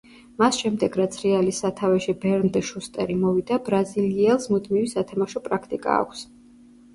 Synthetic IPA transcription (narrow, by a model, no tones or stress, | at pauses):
masʃɛmd̪ɛɡɾat̪sʰɾɛalisːat̪ʰavɛʃibɛɾnd̪ɛʃust̪ʼɛ̰ɾimɔvid̪abɾaziliɛlˠsmud̪mivisat̪ʰamaʃɔpʼɾakʰt̪ʼikʼa̰ːkʷʰs